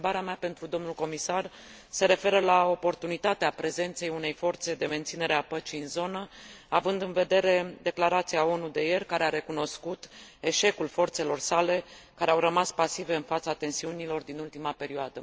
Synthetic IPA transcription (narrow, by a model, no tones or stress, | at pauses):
baɾeameape̞nt̪ɾud̪o̞mnulko̞misar | se̞ɾe̞fe̞ɾəlao̞po̞rt̪unit̪at̪eapɾe̞ze̞nt̪se̞june̞jfo̞rt̪se̞d̪e̞me̞nt̪sine̞ɾeapət͡ʃiɨnzo̞nəavɨnd̪ɨnve̞d̪e̞ɾe̞d̪e̞klaɾat̪siao̞nud̪e̞je̞rʲkaɾe̞aɾe̞kuno̞skut̪e̞ʃe̞kulfo̞rt̪se̞lo̞rsale̞kaɾeawrəmaspasive̞ɨnfat̪sat̪e̞nsiunilo̞rd̪inult̪imape̞ɾioad̪ə